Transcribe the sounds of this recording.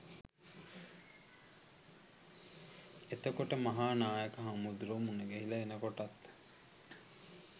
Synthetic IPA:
et̪okoʈəmɐɦaːnaːjekɐɦɐmud̪uɾoːmuneɡeɦilɐenɐkoʈɐt̪

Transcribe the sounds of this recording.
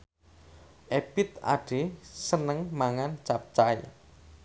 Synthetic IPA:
ʔepɪt̪a̰ɖ̥e̤sənəŋmaŋant͡ʃap̚t͡ʃaj

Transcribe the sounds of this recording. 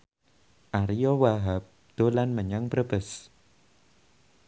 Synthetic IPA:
ʔaɾijɔwaɦap̚ | d̪̥o̤lanməɲaŋpɾəbəs

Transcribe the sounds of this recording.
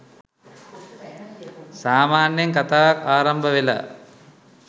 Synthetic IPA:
saːmaːnjɐŋkat̪aːaːɾɐmbʱəʋela̰

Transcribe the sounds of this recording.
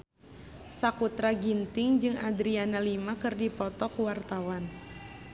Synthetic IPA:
sakut̪ɾaɡint̪ɪŋd͡ʒɨŋad̪ɾianalimakɨrdipɔt̪ɔkuwart̪awan

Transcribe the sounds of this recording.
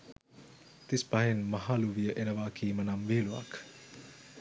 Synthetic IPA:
t̪ispaɦenmɐɦaluʋijəʔenɐʋaːkʰiːmɐnamʋeːlua̰k

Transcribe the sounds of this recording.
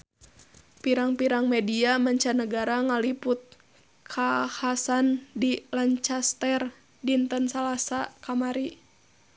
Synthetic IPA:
piɾaŋpiɾaŋmediamaɲt͡ʃanəɡaɾaŋalipʊt̪̚ | kʰahasandilaɲt͡ʃast̪ɛr | dint̪ənsalasakamaɾi

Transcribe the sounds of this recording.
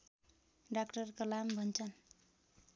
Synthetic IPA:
ɖakʈʌrkʌlambʱʌnt͡sʰʌn

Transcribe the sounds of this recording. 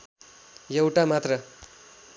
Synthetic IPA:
jewʈamat̪rʌ

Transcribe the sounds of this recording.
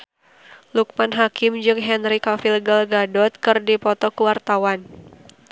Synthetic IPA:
luk̚manɦakɪmd͡ʒɨŋɦɛnɾikafilɡalɡadɔt̪̚kɨrdipɔt̪ɔkəwart̪awan

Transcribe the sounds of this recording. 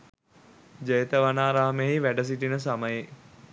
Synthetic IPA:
d͡ʒəjət̪əʋanaːɾaɦəmeɦiʋæɖəs̬iʈinəs̬aməje

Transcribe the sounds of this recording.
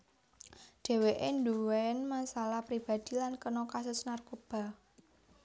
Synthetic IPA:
d̥ɛ̤weʔenduwɛnmasalahpɾib̥a̤d̪̥i̤lankənɔkasʊsnarkob̥a̤

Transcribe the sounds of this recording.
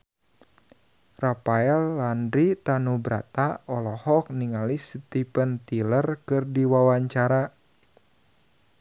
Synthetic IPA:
rapaɛlːandɾit̪anubɾa̰t̪aɔlɔhɔk̚niŋalist̪ipənt̪ilərkɨrdiwawaɲt͡ʃaɾa

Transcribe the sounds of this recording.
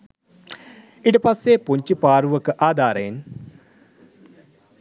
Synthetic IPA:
iʈəpasːepuɲt͡ʃipaːɾuʋəkəʔaːd̪ʱaːɾejin

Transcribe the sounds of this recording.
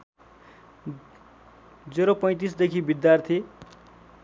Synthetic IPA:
d͡zeɾopʌ̃j̃t̪̬isd̪ekʰibid̪jart̪ʰe

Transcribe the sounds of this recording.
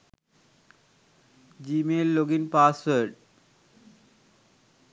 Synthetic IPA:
d͡ʑimelːoɡinpaswəɾɖ

